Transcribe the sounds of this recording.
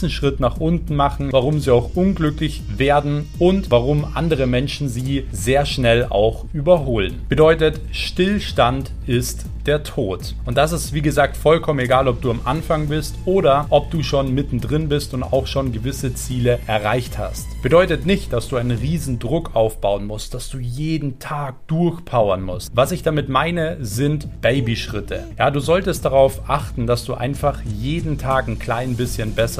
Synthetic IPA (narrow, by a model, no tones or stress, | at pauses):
n̩ʃʁ̥ɪtnaχʔʊntn̩maχn̩vaʁʊmziːaʊxʔʊnɡlʏklɪç | veːɐdn̩ʔʊntvaʁʊmʔa̰ndəʁ̞əmɛnʃn̩ziː | zeːɐʃnɛla̰ʊxʔyːbɐɦoːlənb̥ədɔʏtət | ʃtɪlʃtant | ʔɪst | d̥eːɐtʰoːt | ʊnt̚d̥as̬ɪstv̥iːɡəzaːk̚tfɔlkʰɔməneɡaːlɔp̚d̥uːamʔa̰nfaŋbɪstʔoːɾɐʔɔp̚d̥uːʃoːnmɪtn̩dʁɪnbɪstʊnta̰ʊxʃoːnɡəvɪsət͡siːləʔɛɐʁaɪçtha̰stb̥ədɔʏtətnɪçt̚d̥asd̥uːaɪnənʁiːzn̩dʁʊkʔaʊfb̥aʊənmʊstd̥asd̥uːjeːdn̩tʰaːk̚d̥ʊɐçpʰaʊɐnmʊstvasɪçd̥amɪtmaɪnəzɪntb̥eɪbiʃʁ̥ɪtʰə̰jaːduːzɔltəst̚d̥aʁ̞aʊfʔaχtn̩dasd̥uːʔa̰ɪnfaχjeːdn̩tʰaːknkʰl̥aɪnbɪsçənbɛsɐ